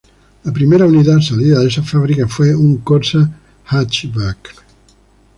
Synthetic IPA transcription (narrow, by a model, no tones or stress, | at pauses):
ləpɾimeɾaunit̪asaliðaðesafaβɾikafweuŋkoɾsa | hat͡ʃβak